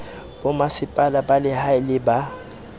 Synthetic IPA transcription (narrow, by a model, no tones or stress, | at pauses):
bʊmasɪpʼalabalɪhaɪlɪba